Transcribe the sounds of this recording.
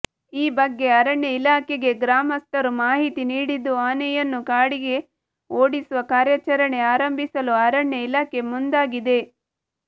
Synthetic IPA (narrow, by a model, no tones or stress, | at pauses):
iːbɐɡːe̞ɐɾɐɳjɐilaːkeɡe̞ɡɾaːmɐst̪ɐɾumaːɦit̪iniːɽid̪ːuaːnɛjɐnːukaːɽiɡe̞ | oːɽisuʋɐkaːɾjɐt͡ʃɐɾɐɳe̞aːɾɐmbʱisɐluɐɾɐɳːjɐilaːke̞mund̪aːɡid̪e̞